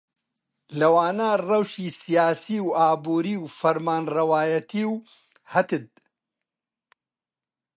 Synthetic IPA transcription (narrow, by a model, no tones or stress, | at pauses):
lɐwaːnaːrɐwʃiːsijaːsiːwaːbuːɾiːwfɐɾmaːnrɐwaːjɐt̪ʰiːw | hɐt̪ɨd̪̚